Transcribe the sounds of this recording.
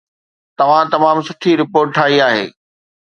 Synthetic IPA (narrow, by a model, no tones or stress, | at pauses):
t̪ɐʋ̤ãt̪ɐmaːmsɐʈ̪ʰiɾɪpoːɾʈ̚ʈʰaːɦiaːɦḛː